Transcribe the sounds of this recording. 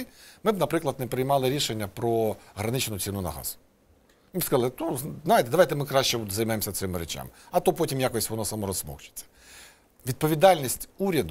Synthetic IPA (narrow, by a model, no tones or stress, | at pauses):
jmɪbnɐpɾɪklˠɐd̪̚nɛpɾɪjmɑlˠɪɾʲiʃenʲːɐpɾɔɦɾɐnɪt͡ʃnʊt͡sʲinʊnɐ̰ɦɑ̰z̥ʊ̥ | ibskɐzɑlˠɪt̪uznɑjɪt̪ɛd̪ɐʋajt̪ɛmɪkɾɑʃt͡ʃɛzɐjmɛmsʲɐt̪sɪmɪɾɛt͡ʃa̰mɪɐt̪ɔpɔtʲimjakɔsʲʋɔnɔsɐmɔɾɔssmɔ̰xt͡ʃɪ̥t͡sʲːɐ̥ | ʋʲid̪̚pɔʋʲid̪ɑlʲnʲisʲtʲuɾʲɐd̪ʊ